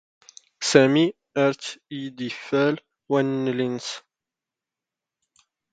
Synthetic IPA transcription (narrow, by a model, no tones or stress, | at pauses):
sæmi | əɾt̪id̪ifæl | wænːlins